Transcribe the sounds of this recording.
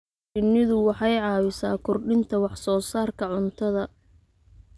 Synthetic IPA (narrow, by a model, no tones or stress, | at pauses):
ɪnɪðʊwɑħɑjʕɑːwɪsaːkʰʊrɖɪnt̪ʰɐwɑħsɔːsaːrkʰɐʕʊnt̪ʰɐðɐ